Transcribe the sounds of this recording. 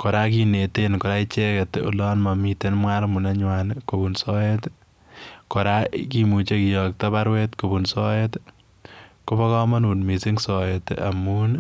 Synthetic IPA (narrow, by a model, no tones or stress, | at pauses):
kɔɾakinetenkɔɾait͡ʃeketṵlɔnmamitenmwaɾmunaɲwankobunsɔet | kɔɾakimut͡ʃekijɔk̚taβaɾwetkobunsɔet | kobɔkɔmanunmisiŋsɔetamun